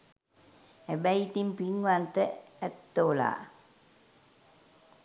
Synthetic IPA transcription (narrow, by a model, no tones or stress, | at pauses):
ebɛjt̪impiŋuant̪əɛt̪ːoːla̰ː